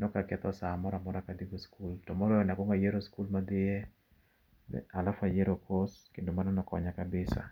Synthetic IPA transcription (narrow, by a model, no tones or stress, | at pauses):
nɔkakɛt̪ɔsamɔɾamɔɾakad̪iɡoskultɔmɔɾɔɛnakoŋɡajeɾoskulmad̪ɪje | ɛ̰alafajeɾokʰoskendomanɔnɔkɔ̰ɲakabɪsa̰